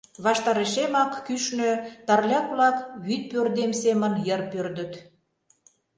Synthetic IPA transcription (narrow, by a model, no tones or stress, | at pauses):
βɑʃt̪ɑɾeʃemɑkːyʃnøt̪ɑrlʲɑkβlɑkβyt̪̚pørd̪emsemənjərpørd̪ə̆t̪